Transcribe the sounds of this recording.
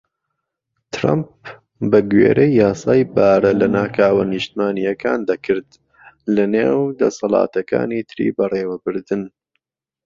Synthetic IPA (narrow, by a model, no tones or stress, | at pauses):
t̪ʰɾa̰mp̚ | bɐɡɥḛːɾʔejːaːsaːjbaːɾɐlɐnaːkʰaːwɐnɨʃt̪maːnijɐkʰaːnd̪ɐkʰɨɾd̪ | lɐneːwd̪ɐ̰sɐlɑ̰ːt̪ɐka̰ːniːt̪ʰɨɾḭbɐreːwɐbɨɾd̪ɨn